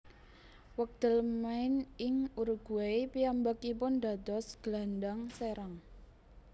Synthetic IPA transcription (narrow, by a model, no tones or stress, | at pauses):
wək̚d̪̥ə̤lmaɪnɪŋuɾuɡ̥ueipiambakipʊnd̪a̤d̪ɔ̤sɡ̥landaŋseɾaŋ